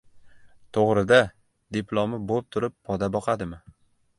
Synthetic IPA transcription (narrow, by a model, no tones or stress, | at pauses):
t̪ʰoʁɾɪd̪a | d̪epʰlˠomɪbop̚t̪ʰʊɾɪpːʰɒd̪abɒqʰɑd̪ɪmɪ